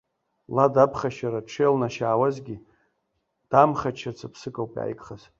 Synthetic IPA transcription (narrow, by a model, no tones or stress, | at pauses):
ladapʰχaʃaɾaʈ͡ʂʰelnaʃaːwazɡʲi | d̥amχat͡ʃʰat͡sʰapʰsɨkʼawpʼa̰jkʼχaz